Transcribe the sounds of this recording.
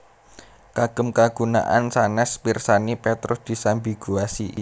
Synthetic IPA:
kaɡ̥ə̤mkaɡ̥ṳna̰ʔansanɛspirsanipɛt̪ɾʊsd̪̥i̤sambi̤ɡ̥uasi

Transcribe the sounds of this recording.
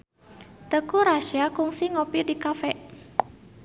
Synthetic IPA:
t̪əkuɾaʃiakʊŋsiŋopidikafɛʔ

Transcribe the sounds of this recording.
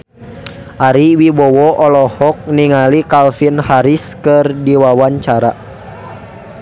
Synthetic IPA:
ʔaɾiwibɔwɔʔɔlɔhɔk̚niŋalikalfinhaɾiskɨrdiwawaɲt͡ʃaɾa

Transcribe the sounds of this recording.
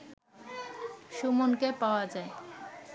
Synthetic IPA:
ʃumonkepaoad͡ʑae

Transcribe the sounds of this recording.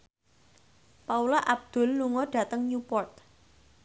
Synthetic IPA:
paulaʔab̚d̪̥ʊ̤lːuŋɔɖ̥ä̤t̪əŋɲupɔrt̪̚

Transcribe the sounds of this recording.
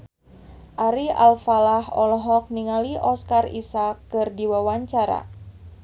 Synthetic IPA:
ʔaɾiʔalfalaɦɔ̰lɔɦɔk̚niŋaliʔɔskarḭsakːɨrdiwawaɲt͡ʃaɾa̰

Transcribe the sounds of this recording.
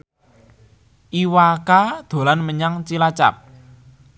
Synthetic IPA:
ʔiwakad̪̥o̤lanməɲaŋt͡ʃilat͡ʃa̰p̚

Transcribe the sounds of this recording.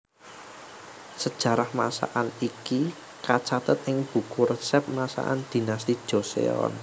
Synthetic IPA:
səd̥ʒ̥ä̤ɾahmasa̰ʔaniki | kat͡ʃat̪ət̪ɪŋb̥ṳkʊrsɛp̚masa̰ʔa̰nd̪̥i̤nast̪id̥ʒ̥osḛɔ̰n

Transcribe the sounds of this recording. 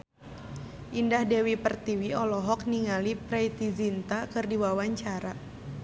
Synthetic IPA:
ʔindahdɛwipərt̪iwiɔlɔɦɔk̚niŋalipɾɛjt̪izint̪akɨrdiwawaɲt͡ʃaɾa

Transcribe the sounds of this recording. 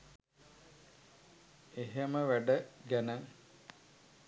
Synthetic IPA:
eɦeməʋæɖəɡænə

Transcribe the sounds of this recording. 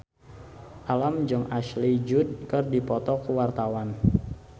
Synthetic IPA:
ʔalamd͡ʒəŋʔaʃlid͡ʒud̪̚kərdipɔt̪ɔkəwart̪awan

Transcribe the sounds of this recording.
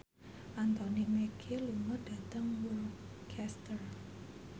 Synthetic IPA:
ʔant̪ɔnimɛkʰiluŋɔd̥at̪əŋwulkʰɛst̪ər

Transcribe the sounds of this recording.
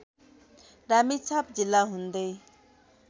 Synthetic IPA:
ɾamit͡sʰap̚d͡zilːaɦũnd̪əj

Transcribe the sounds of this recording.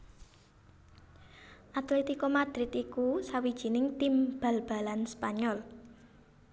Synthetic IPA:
ʔat̪ulit̪ikɔmad̪̥ɾɪt̪ikusawid̥ʒ̥i̤nɪŋt̪imb̥a̤lb̥a̤lanspaɲɔl

